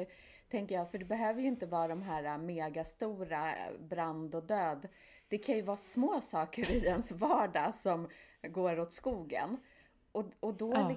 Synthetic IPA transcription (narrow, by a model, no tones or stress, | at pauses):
ɾ | t̪ʰɛŋkəjɑːfœɖɛbɛɦøːvəjɵɪnt̪əvɑːɾad̪ɔmɦæːɾameːɡast̪uːɾabɾand̪ɔd̪øːd̪ | d̪̥ɛkʰanjɵvɑːsmoːsɑːkəɾɪɛnsvɑːɖasɔmɡoːɾɔt̪skuːɡə̰n | ɔɔd̪ɔ